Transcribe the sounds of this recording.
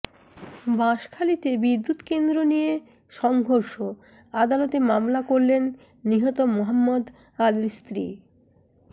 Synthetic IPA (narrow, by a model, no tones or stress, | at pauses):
bãʃkʰalit̪ebid̪ːut̪kend̪ɾonije | ʃɔŋɡʱoɾʃo | ad̪alot̪emamlakoɾlenː | iɦɔt̪omoɦamːod̪ | alilst̪ɾi